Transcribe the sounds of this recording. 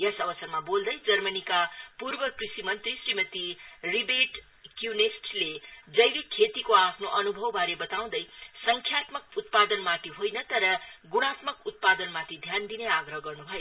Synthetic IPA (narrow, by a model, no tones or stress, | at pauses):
jʌsʌbʌsʌrmabold̪ʌjd͡zʌrmʌnikapurbʌkrisimʌnt̪risrimʌt̪iribeʈ | kjunesʈled͡zʌjlikʰet̪ikoapʰnoʔʌnubʱʌwbʱaɾebʌt̪aw̃d̪ʌjsʌŋkʰjat̪mʌk̚ut̪̚pad̪ʌnmat̪ʰiɦojnʌt̪ʌɾʌɡuɽ̃at̪mʌkut̪̚pad̪ʌnmat̪ʰid̪ʱjand̪ineaɡɾʌɦʌɡʌrnubʱʌjo